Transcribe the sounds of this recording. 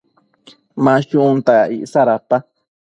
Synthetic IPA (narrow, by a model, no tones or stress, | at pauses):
mãʃũnt̪aaʔḭʔsaɾapa